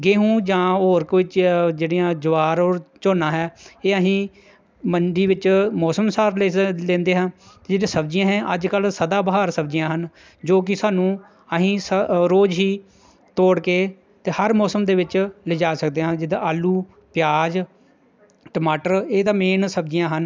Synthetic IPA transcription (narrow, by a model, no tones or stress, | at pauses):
ɡeːɦũːd͡ʒãːoːɾkʋɪt͡ʃd͡ʒeːɽijãːd͡ʒʊʋaːɾoːɾt͡ʃoːnãːɦɛːeːəɦĩː | məɳɖiːʋɪt͡ʃmɔːsəmsaːɾlelẽːnd̪eːɦãːt̪eːd͡ʒeːɽẽːsəbd͡ʒɪjãːɦɛ̃ːʔəd͡ʒkəlsəd̪aːbəɦaːɾsəbd͡ʒɪjãːɦən | d͡ʒoːk̬ɪsaːnũː | əɦĩːsəɾoːd͡ʒɦiː | t̪oːɽkeː | t̪eːhəɾmɔːsəmd̪eːʋɪt͡ʃlɪd͡ʒaːsəkd̪eːɦãːd͡ʒed̪aaːlːuː | pɪjaːd͡ʒ | ʈəmaːʈəɾeːt̪ãːmeːnsəbd͡ʒɪjãːɦən